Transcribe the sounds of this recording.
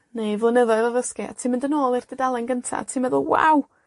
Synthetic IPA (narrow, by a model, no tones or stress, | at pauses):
nejvlˠənəðɔɨðɔvəskia̰tʰiːmɪndənoːlˠɪrd̥ɪdalˠɛnɡəntʰa̰tʰiːmɛðəlˠwa̰w